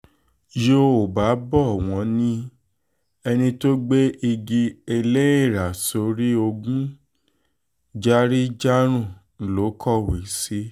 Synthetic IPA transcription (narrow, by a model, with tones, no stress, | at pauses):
jo˧o˨ba˨˦bɔ˦˨w̃ɔ̃˨˧˦nĩ˦ | ɛ˧nĩ˧to˦ɡ͡be˦i˧ɡi˧e˧le˦i˦˨ɾa˨so˨˧˦ɾi˦o˧ɡũ˦ | d͡ʒa˦ɾi˦d͡ʒa˦ɾ̃ũ˦˨ | n̩˨lo˨˦kʰɔ˦˨we˨si˦